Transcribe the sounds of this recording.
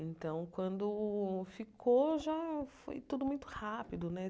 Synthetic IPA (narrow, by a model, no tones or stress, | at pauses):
ẽnt̪ɐ̃w̃kwɐ̃nd̪ʊfikʰoʒafo̰jt̪ud̪ʊmũj̃t̪ʊ̥hapid̪ʊnɛ